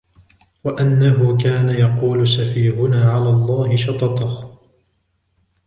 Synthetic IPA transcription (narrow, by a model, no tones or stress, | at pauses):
waʔanːaɦʊkaːnajɑquːlʊsafiːhʊnaːʕalaːlˤːɑːhɪʃɑt̪ˤɑt̪ˤɑh